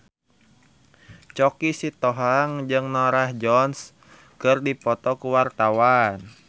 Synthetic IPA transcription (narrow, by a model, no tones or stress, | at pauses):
t͡ʃɔkisit̪ɔɦaŋd͡ʒɨŋnɔɾahd͡ʒɔns | kɨrdipɔt̪ɔkuwart̪awan